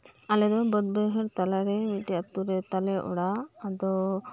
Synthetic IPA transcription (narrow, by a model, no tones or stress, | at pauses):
alɛd̪ɔbɔd̪̚bɛɦɛɾt̪alaɾɛmiʈijat̪ːuɾɛt̪alɛʔɔ̰ɽaːd̪ɔ